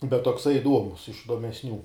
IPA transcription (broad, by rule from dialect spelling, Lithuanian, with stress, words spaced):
bʲɛt toːkˈsɐɪ ɪˈduɔmʊs ɪʃ ɪdoːmʲɛsʲˈnʲuː